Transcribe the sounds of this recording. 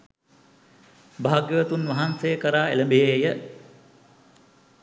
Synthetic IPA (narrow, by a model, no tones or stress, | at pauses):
bʱaːɡjəət̪unʋaɦansejəkəɾaːeləmbeɦejə